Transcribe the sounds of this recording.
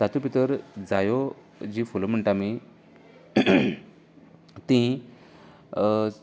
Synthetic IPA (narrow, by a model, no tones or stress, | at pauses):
sat̪upit̪əɾd͡zajo | d͡ʑifulom̤əɳʈami | t̪ĩ